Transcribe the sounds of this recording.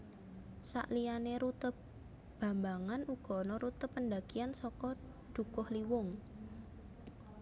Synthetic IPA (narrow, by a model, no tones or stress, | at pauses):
sa̰ʔlianeɾut̪əp | b̥ä̤mbaŋanuɡ̥ɔ̤nɔɾut̪əpːənd̪aɡ̥iansɔkɔ | d̪̥ṳkʊhliwʊŋ